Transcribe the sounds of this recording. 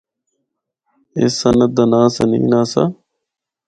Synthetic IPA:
ḛsənəd̪anaːsənḭ̃ːnaːsa̰

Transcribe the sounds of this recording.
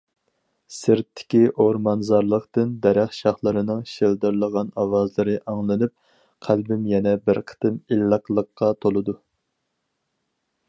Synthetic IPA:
sɨɾt̪ʰːɪ̥kʲiʔoɾmɑnzɑɾlˠəqt̪ɨnd̪ɛɾæχʃɑχlˠɨɾɨnɨŋʃeld̪ɨɾlˠəʁɑnɑwɑzlˠɨɾɨʔɑŋlˠɨnɨp̚ | qʰælbɪmjɛnɛbɪɾqʰə̥t̪ɨmilːəqlˠəqːɑt̪ʰolˠɨd̪u

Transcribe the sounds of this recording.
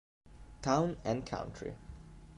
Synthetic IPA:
tʰãʊ̃nɛ̃nkʰã̰ʊ̃ntʰɹḭ

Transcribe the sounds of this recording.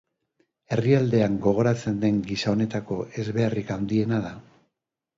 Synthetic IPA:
e̞riald̪e̞aŋɡo̞ɣ̞o̞ɾat͡se̞nd̪e̞ŋɡisao̞ne̞t̪ako̞e̞zβe̞arikawnd̪ie̞naða

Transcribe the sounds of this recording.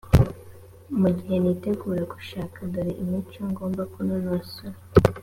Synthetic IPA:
muɟihe̞nite̞ɡuːɾeku̥ʃaːkadaɾiʔimit͡ʃoŋɡo̞ːmbakunonasoɾ

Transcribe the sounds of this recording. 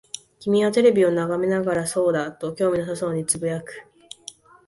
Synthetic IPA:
kʲimʲiat̪e̞ɾe̞bʲio̞naɡame̞naɡaɾaso̞ːd̪at̪o̞kʲo̞ːmʲinosaso̞ːɲ̟it͡sɨbɯ̟jakɯ̟̥

